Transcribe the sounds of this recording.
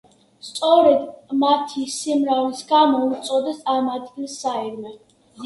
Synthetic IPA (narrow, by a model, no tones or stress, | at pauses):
st̪sʼɔɾɛd̪mat̪ʰisimɾavisɡanɔut̪sʼɔd̪ɛst̪ʼamad̪ɡilˠsːaɛɾmɛ